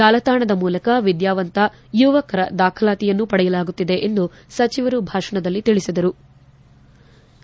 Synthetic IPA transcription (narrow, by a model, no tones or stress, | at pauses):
aːlɐt̪aːɳɐd̪ɐmuːlɐkɐʋid̪jaːʋɐnt̪ɐ | juːʋɐkɐɾɐd̪aːkʰɐlaːt̪ijɐnːupɐɽɛjɐlaːɡut̪ːid̪e̞ʔend̪u | sɐt͡ʃiʋɐɾubʱaːʂɐɳɐd̪ɐlːit̪iɭisid̪ɐɾu